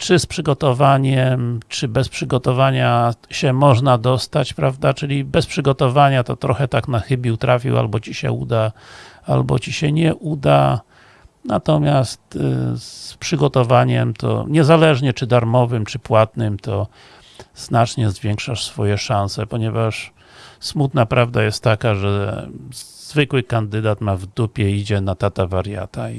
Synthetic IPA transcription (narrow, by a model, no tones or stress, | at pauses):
t͡ʂɘspʂɘɡɔt̪ɔvaɲɛmt͡ʂɘbɛspʂɘɡɔt̪ɔvaɲaɕɛmɔʐnad̪ɔst̪at͡ɕpɾavd̪at͡ʂɘlʲibɛspʂɘɡɔt̪ɔvaɲat̪ɔt̪ɾɔxɛt̪aknaxɘbʲiwt̪ɾafʲḭwʔa̰lbɔt͡ɕiɕɛ̰ṵd̪aa̰lbɔ̰t͡ɕiɕɛɲɛʔud̪a | nat̪ɔmʲjast̪spʂɘɡɔt̪ɔvaɲɛmt̪ʰɔ̰ɲɛzalɛʐɲɛt͡ʂɘd̪aɾmɔvɘmt͡ʂɘpwat̪nɘmt̪ɔ | z̥nat͡ʂɲɛzvʲjɛŋkʂaʂsfɔjɛʂãnsɛpɔɲɛvaʂ | smut̪napɾavd̪ajɛst̪ːakaʐɛ | z̥vɘkwɘkand̪ɘd̪at̪mavd̪upʲjɛid͡ʑɛnat̪at̪avaɾja̰t̪ai